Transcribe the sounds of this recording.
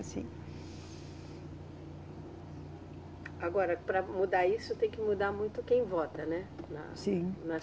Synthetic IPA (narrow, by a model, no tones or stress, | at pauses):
sḭ̃ | aɡɔɾɐpɾɐmud̪aisʊt̪ẽj̃kɪmud̪amũj̃t̪ʊkẽj̃vɔt̪ɐnɛnɐ̰sĩnɐs